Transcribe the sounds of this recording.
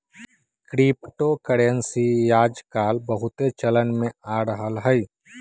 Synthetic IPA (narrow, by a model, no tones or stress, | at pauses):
kɾiːpʈokəɽensijaːd͡ʒkaːlbəɦʊt̪et͡ʃələnmẽaːɾəɦəlɦəj